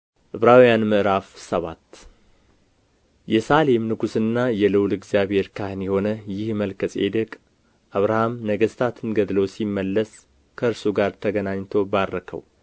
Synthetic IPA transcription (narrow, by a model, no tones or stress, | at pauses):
ʔɨβɾawjanmɨʔɨɾafsəβa̰t̪ː | jɛsale̞mnɨɡusɨnːajɛlɨwlɨɡzjaβhe̞ɾkʰahnjɛho̞nəjɪhməlkʰəsʼḛd̪əkʼ | ʔaβɾahamnəɡəst̪ʰat̪ʰɨnɡəd̪losimːəlːəs | kʰəɨɾsuɡaɾt̪ʰəɡənaɲːt̪ʰo̞barːəkʰə̰w